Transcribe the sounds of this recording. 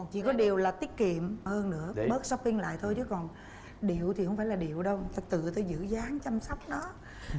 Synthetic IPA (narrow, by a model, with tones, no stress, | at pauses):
kɔ˨˩nt͡ɕḭ˧˥˦kɔ˨˦ɗi˨˩əwlaː˨˩t̪i˦˥ət̚kḭ˧˨əmhəː˧nːɨ̰˧˥əɓəː˦˥t̚sɔ˦˥wk͡p̚pi˧ŋ̟la̰ː˧˨jt̪ʰo˧jt͡ɕɨ˨˦kɔ˨˩n | ɗi˧˨əwt̪i˨˩hə˧wŋ͡mfaː˧˩jlaː˨˩ɗḭ˧˨əwɗə˧wt̪aː˧t̪ɨ̰˧˨t̪əː˧jzɨ̰˧˥zaː˨˦ŋt͡ɕa˧msa˦˥wk͡p̚ɗɔ˨˦